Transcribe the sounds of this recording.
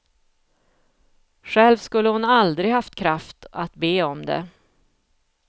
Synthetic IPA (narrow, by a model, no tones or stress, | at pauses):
ɧɛlvskɵlːəhʊnald̪ɾɪɡhaft̪kʰɾaft̪at̪beːɔmd̪ɛ̰